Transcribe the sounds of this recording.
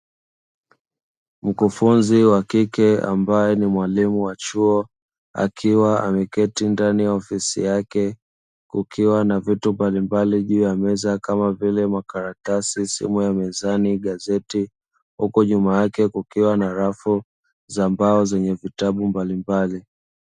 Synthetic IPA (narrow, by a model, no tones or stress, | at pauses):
m̩kufunziwakikɛa̰mbajɛnimwalimuwat͡ʃuɔ | a̰kʰiwaa̰mɛkɛtindanijaɔfisḭjakɛ | kukʰiwanavitumbalimbaliʄuːjamɛzakamavilɛmakaɾatasisḭmujamɛzaniɠazɛti | hukuɲumajakɛkukiwanaɾafu | zambaɔzɛɲɛvitaɓumbalimbali